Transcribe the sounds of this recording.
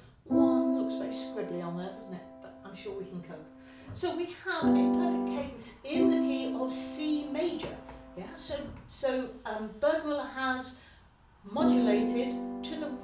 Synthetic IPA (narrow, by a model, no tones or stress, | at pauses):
wʌ̃nlʊksv̥ɛɹiskɹɪbliə̃nðədʌzn̩tɪt̚b̥ʌɾãɪ̃mʃɔɹwikʰn̩kʰoʊp̚ | soʊwiəvɛ̃pʰl̥ɛfɪk̚kʰẽɪ̃sɪ̃nðɨkʰiʔəv̥simeɪd͡ʒə̰˞jæsoʊsoʊʌb̥ɜ˞ɡmɪlˠəəz̥ | mɑd͡ʒɨleɪɾɪd̚tʰɨðə